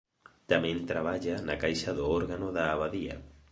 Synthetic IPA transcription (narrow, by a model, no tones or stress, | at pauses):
t̪amẽnt̪ɾaβ̞aʎanakajʃaðoɔɾɣanoðaːβaðia̰